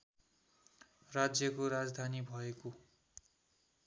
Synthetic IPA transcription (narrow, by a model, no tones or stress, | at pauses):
rad͡zjʌkoɾad͡zd̪ʱanibʱʌeko